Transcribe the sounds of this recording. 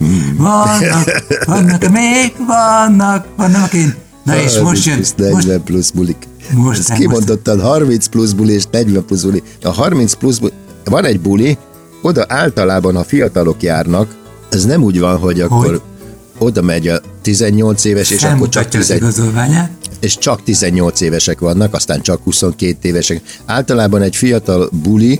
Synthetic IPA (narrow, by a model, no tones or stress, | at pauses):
vɔn | nːkmeːɡʋɒnːɒkʋɒnːɑkeːn | noiisnɛɟʋɛmplusbulik | okimond̪o̞t̪ːɒd̪ɦɒrminspluzbulieːʃnɛɟʋɛmpluzbuli | ɒɦɒrminspluzbu | vɒnɛɟbuli | o̞d̪ɒʔaːlt̪ɒlaːbɒnhɒfijɒt̪ɒlokjaːrnɒk | ɛznɛmuːɟʋɒnɦo̞ɟɒkːo̞r | o̞d̪ɒmɛɟɒt̪izɛɲːo̞lt̪seːvɛʃeːʃɒkːort͡ʃɒk̪izɛɡzovaɲaeːʃt͡ʃɒkt̪izɛɲːo̞lt̪seːvɛʃɛkʋɒnːɒkɒst̪aːnt͡ʃɒkhuso̞ŋkeːt̪eːvɛʃɛkaːlt̪ɒlaːbɒnɛɟfijɒt̪ɒlbuli